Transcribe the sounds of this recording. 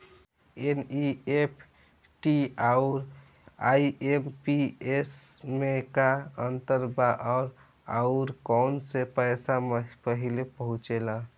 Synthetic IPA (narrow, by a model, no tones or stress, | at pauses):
eniepʰ | ʈiauɾ | aiempiesmekaənt̪əɾbaʔɔːɾ | a̰ʊɾkɔnsepəɪsampəɦilepəɦũt͡ʃela